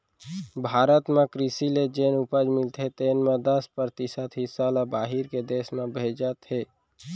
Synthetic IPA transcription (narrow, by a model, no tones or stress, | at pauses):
bʱaːɾət̪mẽkɾisiled͡ʒeːnupəd͡ʒmɪlt̪ʰet̪eːnmẽd̪əspəɾt̪isət̪ɦɪsalabaːɦɪɾked̪eːsmẽbʱed͡ʒət̪ɦeː